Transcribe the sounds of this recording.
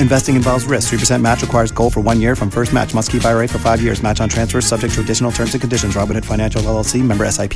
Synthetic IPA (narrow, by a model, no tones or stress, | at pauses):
ɨ̃ɱvɛstɪ̃ŋɨ̃nvɑlˠvzɹɪsk̚θɹipʰə˞sɛ̃nmæt͡ʃɹɨkʰw̥aɪə˞zɡoʊlˠfə˞wʌ̃njɪɹfɹʌ̃ɱfɜ˞st̚mæ̰t͡ʃmʌstkʰipaɪəɹeɪfə˞faɪvjɪɹzmæt͡ʃn̩tʰɹ̥æ̃nsfə̥˞sʌb̚d͡ʒɛk̚tʰəədɪʃn̩l̩ˠtʰɜ̃˞mzʌ̃vkʰɨ̃ndɪʃɨ̃ndɹɑp̚ɨ̃nɨtfãɪ̃ñæ̃nʃl̩ˠɛl̩ˠsimɛ̃mbə˞ɛsaɪpʰ